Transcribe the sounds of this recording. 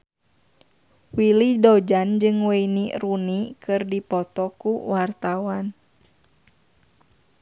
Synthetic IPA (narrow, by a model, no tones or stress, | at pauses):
wilidɔd͡ʒand͡ʒɨŋweinirunikɨrdipɔt̪ɔkuwart̪awan